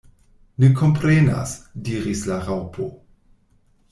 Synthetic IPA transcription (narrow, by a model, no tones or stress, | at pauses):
nekʰompɾena̰sdiːɾislaʁawpʰo